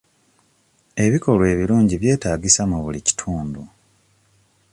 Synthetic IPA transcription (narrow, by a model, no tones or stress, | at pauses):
e̞βiko̞lwe̞ːβiluːɲɟiβje̞ːtaːɡisamuβulici̥tʰuːndu